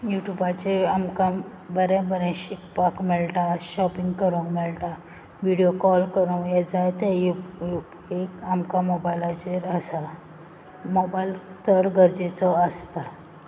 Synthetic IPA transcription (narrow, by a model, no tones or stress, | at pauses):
juʈjubat͡ɕeamka | bəɾɛ̃bəɾɛ̃ɕikpakmɛɭʈaɕɔpĩŋɡkəɾəwmɛɭʈa | ʋiɽijokɔlkəɾə̃jɛd͡zajt̪eju | ekamkamobajlad͡ʑeɾəsa | mobajlst̪ʰəɽɡʱəɾd͡ʑet͡sɔəst̪a